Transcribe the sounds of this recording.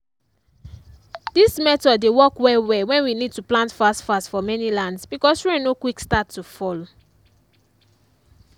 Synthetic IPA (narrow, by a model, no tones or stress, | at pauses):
d̥ismɛtɔddewɔkwɛwɛwɛ̃nwinid̚tuplãntfastfasfɔmɛnilãndsbikɔsẽnokwikstatʰːufɔlo